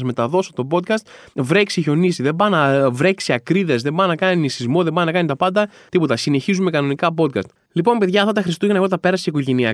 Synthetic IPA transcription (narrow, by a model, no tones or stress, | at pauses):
zme̞t̪ɐðo̞so̞t̪o̞bo̞t̪̚kɐst̪vɾe̞ksiʝo̞nisiðe̞bɐnɐvɾe̞ksiɐkɾiðe̞zðe̞bɐnɐkɐninisizmo̞ðebɐninɐkɐnit̪ɐpɐnd̪ɐ | t̪ipo̞t̪ɐsine̞çizume̞kɐno̞nikɐp̬o̞t̪̚kɐst̪ | lipo̞mpe̞ðʝɐft̪ɐt̪ɐxɾist̪uʝenɐɣo̞t̪ɐpe̞ɾɐseikoʝe̞niɐ